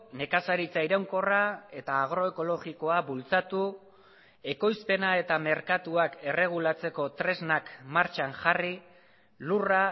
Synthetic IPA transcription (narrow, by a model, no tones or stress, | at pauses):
ne̞kasaɾit͡saiɾawŋko̞rae̞t̪aːɣ̞ɾo̞e̞ko̞lo̞ɣiko̞abult͡sat̪u | e̞ko̞jspe̞nae̞t̪ame̞ɾkat̪uake̞re̞ɣ̞ulat͡se̞ko̞t̪ɾe̞znakmaɾt͡ʃaŋʝari | lura